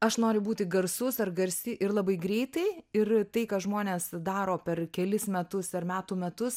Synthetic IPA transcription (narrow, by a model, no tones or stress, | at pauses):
ɐʃnoːɾʲɪbuːt̪ʲɪɡɐrsʊsɐrɡɐɾʲsʲɪʔɪrlˠɑbɐɪɡɾʲɛɪt̪ɐɪɪrt̪ɐɪkɑːʒmoːnʲeːsd̪ɑːɾoːpʲɛrkʲɛlʲɪsmʲɛt̪ʊsɐrmʲæːt̪uːmʲɛt̪ʊs